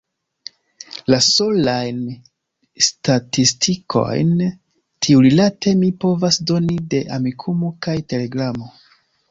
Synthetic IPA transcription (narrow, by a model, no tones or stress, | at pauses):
laso̞lajn | statistʰikʰo̞̰jn | tʰiuɾilate̞mipo̞vasdo̞nide̞ʔamikʰumokajte̞le̞ɡɾamo̞